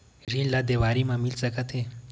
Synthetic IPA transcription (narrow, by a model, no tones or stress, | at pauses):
ɾillad̪eʋaːɾimãmilt͡sɐkɐt̪ʰe